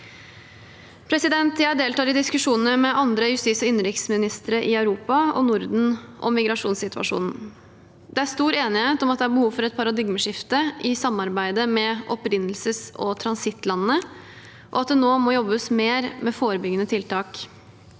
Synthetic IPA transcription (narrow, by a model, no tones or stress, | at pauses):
pʰɾɛsɪd̪ɛnt̪jæɪɖ̪eːlt̪ɑːd̪ɪd̪ɪskʉʂuːnənəmɛʔɑnd̪ɾəjʉst̪ɪsɔɪnːəɾɪksmɪnɪst̪əɾəʔɪɑʉɾuːpɑɔ̰nʊɾd̪n̩ʔɔ̰mːɪɡɾɑʂuːnsɪt̪ʰʉʋɑ̰ʂṵːnn̩ | d̪ɛæɾst̪uːɾeːnɪheːt̪ɔmɑt̪̚d̪ɛæɾbəhuːʋfɔɾɛt̪̚pʰɑɾɑd̪ɪɡməʂɪft̪əʔɪsɑmɑɾbæɪd̪əmɛʔɔpɾɪnːl̩səsɔ̰t̪ʰɾɑnsɪt̪ːlɑnːə | ʔɔ̰ɑt̪̚d̪ɛnoːmɔjɔbːəsmeːɾmɛfoːɾəbʏɡːənət̪ʰɪlt̪ɑːk